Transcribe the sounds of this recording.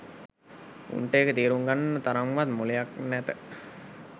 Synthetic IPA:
ṵɳʈeːkət̪iːɾuŋɡanːət̪aɾaŋʋat̪mulejak̚næt̪ə

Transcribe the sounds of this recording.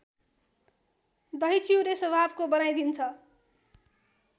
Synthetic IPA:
d̪ʌɦit͡sʰiwleswʌbʱabkobʌnajd̪int͡sʰʌ

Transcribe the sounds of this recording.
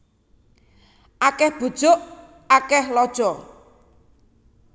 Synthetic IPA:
ʔakɛhb̥ṳd̥ʒ̥ʊʔ | akɛhlɔd̥ʒ̥ɔ

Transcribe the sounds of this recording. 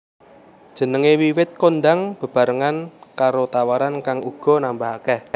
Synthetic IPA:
d̥ʒ̥ə̤nəŋewiwɪt̪̚kond̪aŋb̥ə̤b̥ä̤ɾəŋankaɾot̪awaɾankaŋuɡ̥ɔ̤nambaɦakɛh

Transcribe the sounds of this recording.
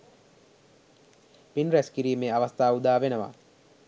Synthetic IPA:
pinræskiɾiːmeːaʋast̪aːud̪aːʋenəʋa̰

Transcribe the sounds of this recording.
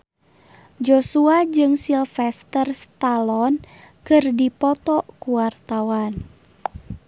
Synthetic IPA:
d͡ʒosuad͡ʒɨŋsilfɛst̪ərst̪alɔn | kɨrdipɔt̪ɔkuwart̪awan

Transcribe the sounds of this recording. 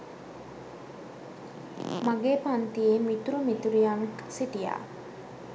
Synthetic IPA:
maɡeːpant̪ijemit̪uɾumit̪uɾijaŋksiʈija̰ː

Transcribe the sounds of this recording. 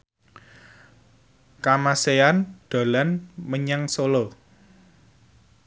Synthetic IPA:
kamaseanɖ̪̥a̤lanməɲaŋsolo

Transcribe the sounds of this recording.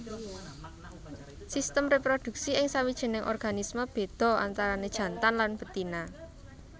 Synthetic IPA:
sist̪əmrepɾod̪̥ṳk̚siɪŋsawid̥ʒ̥ə̤nɪŋʔɔ̰rɡ̥anisməb̥e̤d̪̥ɔ̤a̰nt̪aɾaned̥ʒ̥ä̤nt̪anlanb̥ə̤t̪ina

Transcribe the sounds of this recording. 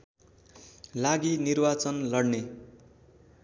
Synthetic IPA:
laɡinirbat͡sʌnlʌɽne

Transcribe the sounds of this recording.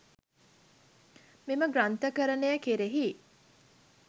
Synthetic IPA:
miməɡɾant̪əkəɾənejəkeɾeɦi

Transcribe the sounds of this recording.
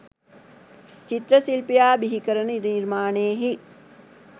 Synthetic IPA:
t͡ʃit̪ɾɐsilpijaːbiɦikəɾɐniɾniɾmaːneːɦi

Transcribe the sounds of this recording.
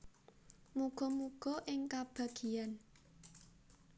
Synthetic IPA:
muɡ̥ɔ̤muɡ̥ɔ̤ʔɪŋkab̥a̤ɡ̥i̤an

